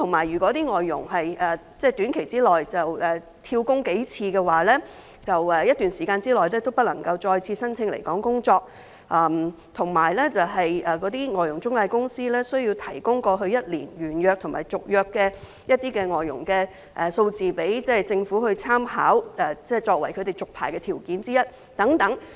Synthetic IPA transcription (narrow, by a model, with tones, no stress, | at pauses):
t̪ʰʊ˨˩maː˨˩jɥyː˨˩kʷɔː˨˥t̪iː˥ŋɔː˨jːʊ̰˨˩ŋɦɐ˨jɛː˨˩t͡sɛː˥˩t̪yː˨˥nkʰe˨˩jt͡siː˥lɔː˨jt͡sɐ˨wɛ˨ | t̪ʰiː˧wkʊ˥ŋke˨˥jt͡sʰiː˧kɛː˧waː˨˥lɛː˥ | t͡sɐ˨wɛ˨jɐ˥t̪yː˨˩nsiː˨˩kaː˧nt͡siː˥lɔː˨jlɛː˥t̪o˥wpɐ˥t̚lɐ̰˨˩ŋkɐ˧wt͡sɔː˧jt͡sʰiː˧sɐ˥nt͡sʰɪ˧ŋlḛ˨˩jkɔː˨˥ŋkʊ˥ŋt͡sɔː˧k̚ | ʔɐː˨m | t̪ʰʊ˨˩ŋmaː˨˩jlɛː˥t͡sɐ˨wɦɐ˨jɛ˨kɔː˨˧˥t̪iː˥ŋɔː˨jʊ˨˩ŋt͡sʊ˥ŋaː˧jkʊ˥ŋsiː˥lɛː˥sɵ˥ɥjiː˧wt̪ʰɐ˨˩jkʊ˥ŋkɔː˧ɦɵ˧ɥjɐ˥t̚liː˨˩nɥyː˨˩njœː˧k̚t̪ʰʊ˨˩ŋma̰ː˨˩jt͡sʊ˨k̚jœː˧kːɛ˧ | jɐ˥t̚t̪ːiː˥kɛ˧ŋɔː˨jʊ̰˨˩ŋkɛː˧ | ʔɛː˨˩so˧wt͡siː˨pe˨˥jt͡sɛː˥t͡sɪ˧ŋfuː˨˥hɵ˧ɥt͡sʰaː˥mhaː˨˥wɛː˨t͡sɛː˥˩t͡sɔː˧k̚wɐ˨˩jkʰɵ˨˧t̪e˨jt͡sʊ˨k̚pʰaː˨˩jkɛː˧t̪ʰiː˨˩wkiː˨˥nt͡siː˥jɐ˥t̚ | t̪ɐ˨˥ŋt̪ɐ˨˥ŋ